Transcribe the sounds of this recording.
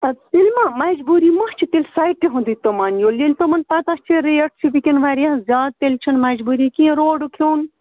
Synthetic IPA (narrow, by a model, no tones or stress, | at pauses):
t̪ɐt̪elmamɐd͡ʒbuɾimɐht͡ʃʰit̪elʲsaːjʈːeɦũnd̪it̪omanjoːlilʲt̪omɐnpat̪ɐst͡ʃʰiɾeɐʈ̚ʰt͡ʃʰibikʲinʋaɾazjaːd̪̚t̪elt͡ʃʰɐnmɐd͡ʒbuɾikiɾoːɖukʰeːn